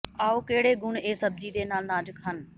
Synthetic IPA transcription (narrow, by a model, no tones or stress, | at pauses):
aːoːkeːɽeːɡʊɳeːsəb̚d͡ʒiːd̪eːnaːlnaːd͡ʒəkɦən